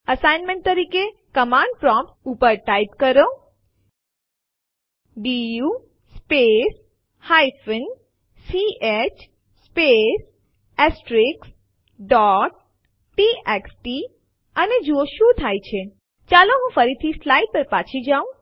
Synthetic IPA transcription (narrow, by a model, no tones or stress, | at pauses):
əsajnmẽɳʈ̚t̪əɾikekəmãɳɖ̚pɾɔ̃mpʈupəɾʈajp̚kəɾo | ɖiju | spes | hajfən | siet͡ʃ | spes | esʈɾiks | ɖɔʈ̚ | ʈieksʈi | əned͡ʒuoʃũt̪ʰajt͡ʃʰe | t͡ʃaloɦũfəɾit̪ʰislaiʈ̚pəɾpat͡ʃʰid͡ʒaũ